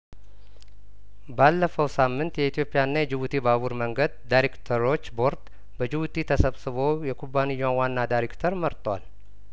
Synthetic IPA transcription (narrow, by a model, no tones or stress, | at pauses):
balːəfəwsamːɨnt̪jɛit̪ʰijopʼːɪjanːajɛd͡ʒɪβut̪ʰibaβuɾməŋɡəd̪̚d̪ajɾekt̪ʰəɾo̞t͡ʃːbo̞ɾt̪ | bəd͡ʒɪβut̪ʰit̪ʰəsəβsɨβo̞jɛkʰubːanɨjːawanːad̪ajɾekt̪ʰəɾməɾt̪ʼwa̰l